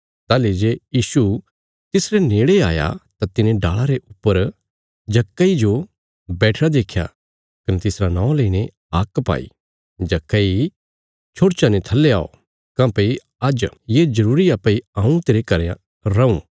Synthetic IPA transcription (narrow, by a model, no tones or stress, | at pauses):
t̪aːled͡ʒejiːsu | t̪ɪsɾeneːɽeaːja̰t̪at̪ɪnẽɖaːɭaɾeʔʊpːəɾ | d͡ʒɐkːaid͡ʒo | bɛːʈʰɾad̪eːkʰːja̰ | kɐnet̪ɪsɾanãːõleːine | aːkpa̰ːḭ | d͡ʒɐkːai | t͡ʃʰoːɽt͡ʃanet̪ʰɐlːeaːo̰ | kãːpei | ɐd͡ʒjed͡ʒɐɾuːɾiapːɐiãːũt̪eːɾekɐɾã | ɾɐũ